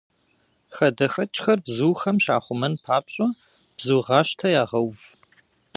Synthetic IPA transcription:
xɐdɐxɐt͡ʃʼxɐrbzuːxɐmʃaːχʷʊmɐnpʰaːpɕʼɐ | b̥zuːʁɑːɕtʰɐjaːʁɐwv

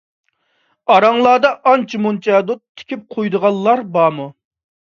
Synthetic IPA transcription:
ɑɾɑŋlˠɑːd̪ɑʔɑnt͡ʃʰimunt͡ʃʰɛd̪utt̪ʰːɪ̥kʲʰip̚qʰojd̪əʁɑlˠːɑɾbɑːmu

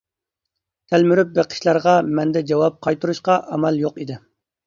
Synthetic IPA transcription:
t̪ʰælmyɾyp̚beqʰə̥ʃlˠɑɾʁɑmɛnd̪ɛd͡ʒɑwɑp̚qʰɑjt̪uɾuʃqɑʔɑmɛljoqid̪ɪ

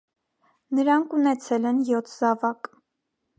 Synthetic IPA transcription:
nəɾɑŋkʰunɛt͡sʰɛlɛnjɔt̪ʰzɑvɑk

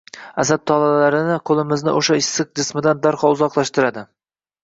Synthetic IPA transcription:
asad̪̚t̪ʰɒlalaɾɪnɪqʰolˠɪmɪznɪʔoʃaɪsːɨq̚d͡ʒɪsmɪd̪and̪aɾqʰɒʊzɒqlˠaʃt̪ɪɾad̪ɪ

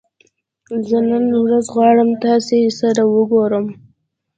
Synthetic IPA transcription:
zənənwɾazɣwɑɽəmt̪ɑsesəd̪awəɡoɾəm

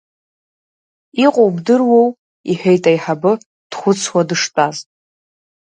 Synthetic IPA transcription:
iqʷʼowbdɨrwow | iħʷᶣejtʼajħabɨ | d̥χʷʊt͡sʰwadɨʂtʼazʼ

